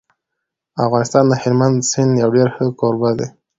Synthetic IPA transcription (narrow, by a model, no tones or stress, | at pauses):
afɣɑnɪst̪ɑnd̪əhɪɾmand̪sɪnd̪jawɖeɾxəkoɾbad̪e